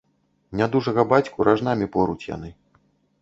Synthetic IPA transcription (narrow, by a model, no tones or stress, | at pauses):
nʲad̪uʐɐɣɐbat͡sʲkuɾʔaʐnamʲipɔɾut͡sʲja̰n̪ɨ